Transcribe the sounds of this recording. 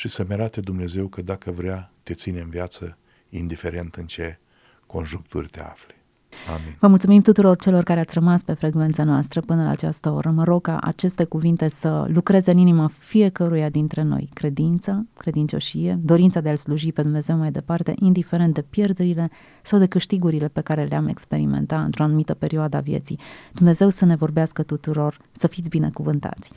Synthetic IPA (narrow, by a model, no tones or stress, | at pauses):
ʃisəmʲaɾat̪əd̪umne̞ze̞wkəd̪akəvɾeat̪e̞t̪sineɨmvijat̪sə | ind̪ife̞ɾe̞nt̪ɨnt͡ʃe̞ | ko̞̰nʒuŋk̚t̪ṵrʲt̪ḛa̰fle̥ | a̰minvəmult̪sumimt̪ut̪uɾo̞rt͡ʃe̞lo̞rkaɾe̞at̪sʲrəmaspe̞fɾe̞ɡvent̪sanoast̪ɾəpɨnəla̰ːt͡ʃast̪əo̞̰ɾəməɾo̞ɡ̚ka̰ʔa̰t͡ʃe̞st̪e̞kuvint̪e̞sə̰lukɾe̞zeɨninimafie̞kəɾujad̪int̪ɾe̞no̞̰jkɾe̞d̪int̪səkɾe̞d̪int͡ʃo̞̰ʃije̞d̪o̞ɾint̪sad̪e̞alsluʒipe̞d̪umne̞zewmajd̪e̞part̪e̞̰ʔind̪ifeɾe̞nt̪̚d̪e̞pje̞rd̪eɾile̞ | sawd̪e̞kɨʃt̪iɡuɾile̞pe̞kaɾe̞leame̞̰kspe̞ɾḭmḛnt̪atɨ̰nt̪ɾo̞anumit̪əpe̞ɾioad̪əa̰vjḛt̪sḭd̪̥umne̞ze̞wsəne̞vo̞rbeaskət̪ut̪uɾo̞r | səfit̪sʲbine̞̰kuvɨnt̪a̰t̪sʲ